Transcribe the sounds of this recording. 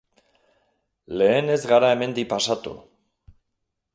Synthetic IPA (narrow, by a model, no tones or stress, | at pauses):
le̞ːne̞zɣaɾae̞me̞nd̪ipasat̪ṵ